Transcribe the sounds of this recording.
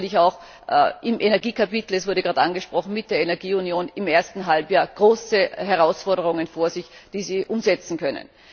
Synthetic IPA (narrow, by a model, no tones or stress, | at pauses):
nlɪçaʊx | ʔɪmʔenɛɐɡiːkʰapitl̩ɛsv̥ʊɐɾəɡ̥ʁaːtʔanɡəʃpʁ̥ɔχn̩mɪt̚d̥eːɐenɛɐɡiːunjoːnɪmeːɐstn̩ɦalpjaːɐɡ̥ʁoːsəɦɛʁ̞aʊsfɔɐɾəʁʊŋənfoːɐzɪçd̥iːziːʔʊmzɛt͡sn̩kʰœnə̰n